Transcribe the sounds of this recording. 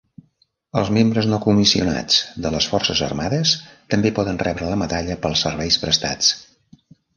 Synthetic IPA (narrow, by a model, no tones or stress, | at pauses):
əlˠzmembɾəznokumisiuna̰d͡zd̪ələsfɔrsəzə̰rmaðəst̪əmbepɔðənrɛβɾələməðaʎəpəlˠsəɾβɛjspɾəst̪a̰t͡s